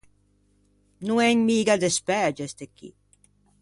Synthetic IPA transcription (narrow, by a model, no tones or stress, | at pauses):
nuɛɲmiːɡad̪espɛd͡ʒest̪ekːḭ